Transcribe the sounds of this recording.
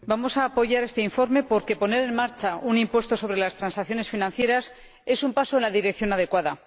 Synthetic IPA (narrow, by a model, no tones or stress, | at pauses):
bamo̞saːpo̞ʝaɾest̪e̞iɱfo̞ɾme̞po̞ɾke̞po̞ne̞ɾe̞nmaɾt͡ʃaunimpwe̞st̪o̞so̞β̞ɾe̞last̪ɾansakθjo̞ne̞sfinãnθje̞ɾas | e̞sumpaso̞enlaðiɾe̞kθjo̞naðe̞kwaða